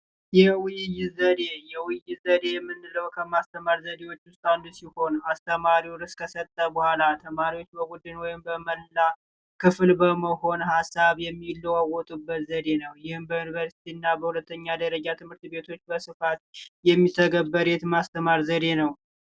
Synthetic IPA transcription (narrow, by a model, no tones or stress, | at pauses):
jɛwɪjɪjɪzəd̪e̞jɛwɨjɪzəd̪e̞jmːɨnːɨləwkʰəmast̪ʰəmaɾzəd̪e̞wo̞t͡ʃːʊst̪ʼand̪usiho̞nast̪ʰəmaɾiwɾɨskʰəsət̪ʼːəbəhʷalat̪ʰəmaɾiwo̞t͡ʃːbəɡud̪ːɨnwɔjɪmbəməlːa | kɨflbəməho̞nhasːaβjɛmːilːəwawɔt̪ʼubːət̪zəd̪e̞nəwjɪhɨmbəjunivəɾsi̥t̪ʰiɨnːabəhulət̪ːəɲːad̪əɾəd͡ʒat̪ʰɨmhɨɾt̪be̞t̪ʰo̞t͡ʃːbəsɨfat̪jɛmːit̪ʰəɡəbːəɾet̪mast̪ʰəmaɾzəd̪enəw